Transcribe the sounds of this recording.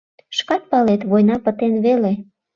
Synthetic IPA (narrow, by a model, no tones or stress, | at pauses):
ʃkɑt̪̚pɑlet̪βojnɑpə̆t̪enβele